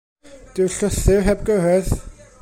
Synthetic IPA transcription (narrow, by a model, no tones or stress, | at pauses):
d̥ɪwɬʊθɪwɦɛb̚ɡəɦɛð